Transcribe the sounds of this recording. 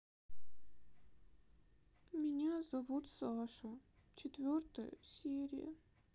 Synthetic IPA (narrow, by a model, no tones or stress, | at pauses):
mʲɪnʲazɐvut̪saʂət͡ɕɪt̪vʲort̪əjə̰sʲeɾʲɪ̰jə̰